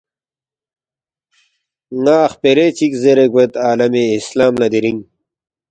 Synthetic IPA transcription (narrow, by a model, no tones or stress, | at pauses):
ŋaːχpeɾet͡ɕikzeɾeɡwet̪aːlɐmeislaːmlɐd̪iɾiŋ